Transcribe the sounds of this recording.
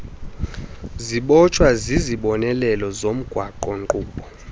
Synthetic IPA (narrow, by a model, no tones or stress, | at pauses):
ziɓɔt͡ʃʰʼwaziziɓɔnɛlɛlɔzom̩ɡ̥ʱwaǃɔŋǃuːɓɔ